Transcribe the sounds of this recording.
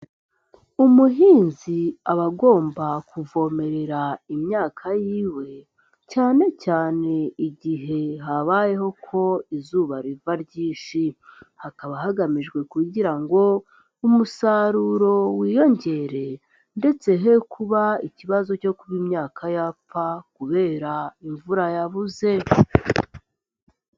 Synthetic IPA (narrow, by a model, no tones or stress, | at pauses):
umuɦiːnziaβaɡo̞ːmbakuvo̞me̞ɾe̞ɾaimɲaːkʰajiːwe̞ | caːne̞caːne̞iɟiɦe̞ɦaβaːje̞ho̞kʰo̞izuːβaɾivaɾɟiːnʃihakaβaɦaɡamiʒɡwe̞kuɟiɾaŋɡo̞ | umusaɾuːɾo̞wiːjo̞ɲɟe̞ɾe̞ | nde̞t͡se̞ɦe̞kʰuβaiciβazo̞co̞kuβimɲaːkʰajapakuβe̞ːɾaiɱvuɾajaβuze̞